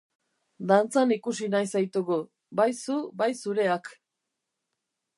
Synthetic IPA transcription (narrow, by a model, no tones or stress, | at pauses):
d̪ant͡sanikusinajsajt̪uɣu | bajsubajsuɾe̞ak